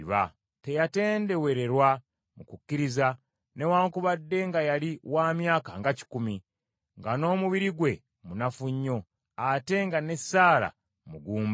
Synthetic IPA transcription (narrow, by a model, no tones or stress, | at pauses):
βa̰ | te̞jate̞ːnde̞we̞ɾe̞ɾwa | mukukːiɾiza | ne̞waːŋkuβadːe̞ŋɡajaliwaːmjaːkaŋɡaci̥kumi | ŋɡano̞ːmuβiɾiɡwe̞ | munafuɲːo̞ | ate̞ŋɡane̞saːla̰ | muɡuːmb